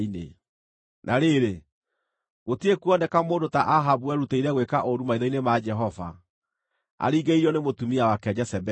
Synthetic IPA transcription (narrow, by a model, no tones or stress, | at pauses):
inḛ | nʔaɾeɾe | ɣotiekuɔndɛkamoːndotaʔaɦabuɛɾuteiɾɛɣwekaʔoɾumaiðɔinemad͡ʒɛɦɔva̰ | a̰ɾiɡeiɾiɔnemotumiawakɛd͡ʒɛsɛbɛ